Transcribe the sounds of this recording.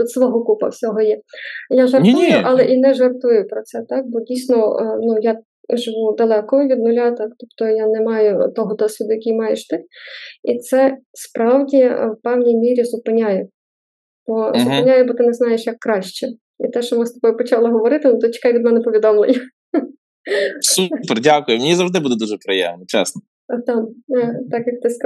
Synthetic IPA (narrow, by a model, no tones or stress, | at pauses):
t̪ut̪sʋɔɦɔkupɐ̰wsʲɔɦɔjɛjaʒɐrt̪ujʊʔɑlˠɛʔinɛʒɐrt̪ujʊpɾɔsɛt̪ɑk̚bɔdʲijsʲnɔnuja | ʒɪʋud̪ɐlˠɛkɔʋʲid̪nʊlʲɑt̪ɑkt̪ɔpt̪ɔjanɛmɑjʊt̪ɔɦɔd̪ɔsʲʋʲɪd̪ʊjɐkʲijmɑjɛʃt̪ɪit̪sɛspɾɑwdʲiwpɛwnʲijmʲiɾʲizʊpɪnʲajɛ | b̥ɔzʊpɪnʲajɛbɔt̪ɪnɛznɑjeʃjɐkːɾɑʃt͡ʃɛ | ḭt̪ɛʃɔmɪst̪ɔ̥bɔjʊpɔt͡ʃɑlˠɔɦɔʋɔɾɪt̪ɪnʊt̪ɔt͡ʃʲi̥kɑjʋʲid̪mɛnɛpɔʋʲid̪ɔmlˠejʲɐ | supɛrdʲakʊjʊmʲenʲizɐwʒd̪ɪbud̪ɛd̪uʒɛpɾɪjɛ̰ʋnʲit͡ʃɛ̰snɔ | t̪ɑmt̪ɑkjɐk̚t̪ɪsk